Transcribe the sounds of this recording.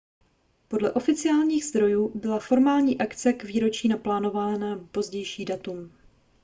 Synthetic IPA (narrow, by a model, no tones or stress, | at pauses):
po̞dlɛʔo̞fɪt͡sɪaːlɲiːɣzd̪ɾo̞juːbɪlafo̞ɾmaːlɲiːʔakt͡sɛkviːɾo̞t͡ʃiːnaplaːno̞vaːnapo̞zɟɛjʃiːdat̪um